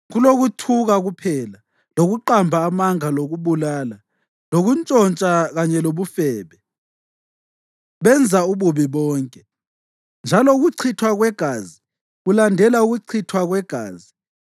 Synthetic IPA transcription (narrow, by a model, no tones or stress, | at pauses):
ɣuloɣutʰuɣaɣupʰɛla | loɣuǃambʱaːmaŋaloɣuβulaːla | loɣunt͡ʃʼɔnt͡ʃʼaɣaɲɛloβufɛːβɛ | βɛnd͡zʱauβuβiβɔːŋkʼɛ | nd͡ʒʱalɔuɣuǀʰitʰwaɣwɛɡ̥ʱaːzi | ɣulandʱɛlauɣuǀʰitʰwaɣwɛɡ̥ʱa̰ːzi